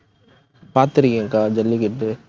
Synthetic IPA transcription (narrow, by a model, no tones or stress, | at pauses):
paːɾt̪ɪɾɪŋɡeŋkaːd͡ʒɐlːikɪʈːɯ